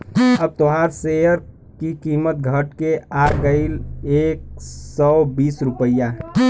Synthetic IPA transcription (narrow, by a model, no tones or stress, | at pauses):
əb̚t̪oɦaɾsejəɾ | kikiːmət̪̚ɡʱəʈkeaɡəɪleːk̚sɔbiːsɾʊpəja